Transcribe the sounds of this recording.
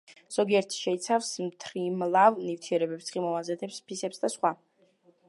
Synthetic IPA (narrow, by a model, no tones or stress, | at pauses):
z̥ɔɡiɛɾt̪ʰʃɛit̪sʰafsmt̪ʰɾimlˠavnivt̪ʰiɛɾɛbɛpssχimɔvazɛt̪ʰɛpspʰisɛpsd̪asχwa